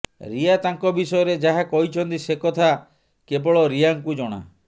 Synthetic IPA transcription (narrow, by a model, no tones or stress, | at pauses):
ɾiat̪aŋkɔbisɔjɔɾed͡ʒaɦakɔɦit͡ʃʰɔnt̪isekɔt̪ʰa | kebɔɭɔɾiaŋkud͡ʒɔɽ̃a̰